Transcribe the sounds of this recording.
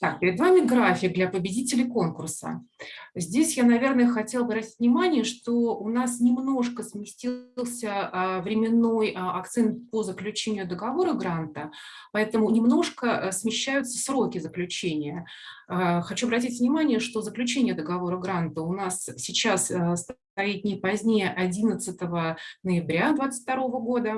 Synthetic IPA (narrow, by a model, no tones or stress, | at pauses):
t̪ak̚pʲɪɾʲɪd̪vamʲɪɡɾafʲɪk̚d̪lʲɐpəbʲɪdʲitʲɪlʲɪko̞nkʊrsə̰zʲdʲesʲjanɐvʲe̞rnəjəxɐtʲelˠɐbɾɐtʲi̥t̚ʲvnʲɪmanʲɪjəʂt̪oʊnasnʲɪmno̞ʂkəsmʲɪsʲtʲilˠsʲəvɾʲɪmʲɪnːo̞jɐkt̪sɛnt̪̚pozəklʲʉt͡ɕenʲɪjʊd̪əɡɐvo̞ɾəɡɾant̪əpɐɛt̪əmʊnʲɪmno̞ʂkəsmʲɪɕːæjʊt̪sə̥sɾo̞kʲɪzəklʲʉt͡ɕenʲɪjə | xɐt͡ɕuɐbɾɐtʲitʲvnʲɪmanʲɪjəʂt̪o̞zəklʲʉt͡ɕenʲɪjəd̪əɡɐvo̞ɾəɡɾant̪əʊnassʲɪt͡ɕass | ɐit̪̚nʲɪpɐzʲnʲejəʔɐdʲinət̪sɨt̪əvənəjɪbɾʲad̪vat̪sə̥ɨtʲfʲt̪ɐɾo̞vəɡo̞d̪ə